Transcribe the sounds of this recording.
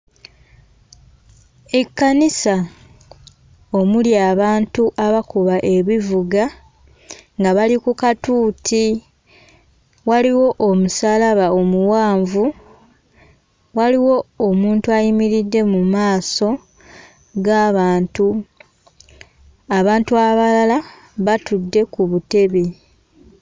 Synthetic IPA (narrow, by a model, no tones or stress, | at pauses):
ekːanisa | omuljaːβaːntuʔaβakuβaʔe̞βivuɡa | ŋɡaβalikukatuːtʰi | waliwo̞ʔomusaːlaβao̞muwaːɱvu | waliwo̞ːmuːntuajimiɾidːe̞mumaːso̞ | ɡaːβaːntu | aβaːntuaβalala | βatudːe̞kuβute̞βi